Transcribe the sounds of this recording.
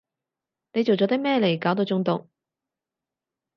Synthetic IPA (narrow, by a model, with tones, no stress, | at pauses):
ne˨˧jt͡so˨wt͡sɔː˨˥t̪mɛː˥le˨˩jkaː˨˥wt̪̬o˨˧wt͡sʊ˧˥ŋt̪ʊ˨ŋ